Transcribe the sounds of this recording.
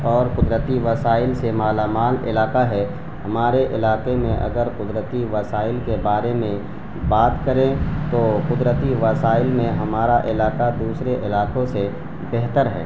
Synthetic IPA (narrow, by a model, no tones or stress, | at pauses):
ɔːɾqʊd̪ɾət̪iʋɐsaːɪlsemaːlaːmaːnɪ̰laːkaɦɛ | hɐmaːɾeʔɪlaːkemẽʔɐ̰ɡəɾqʊd̪ɾət̪iʋɐsaːɪlkebaːɾemẽ | baːt̪kəɾẽt̪oːqʊd̪ɾət̪iʋɐsaːɪlmẽɦɐmaːɾaʔɪlaːkad̪uːsɾeʔɪlaːqõse | bɛɦt̪əɾɦɛ̰ː